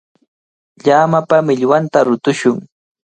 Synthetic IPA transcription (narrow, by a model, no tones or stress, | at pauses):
ʎaːmapamɪʎwant̪aɾʊt̪ʊʃʊŋ